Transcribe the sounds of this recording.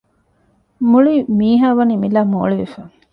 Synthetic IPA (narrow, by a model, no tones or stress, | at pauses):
muɭimiːɦaːʋɐniːmilaːmo̰ːɭiʋefaŋ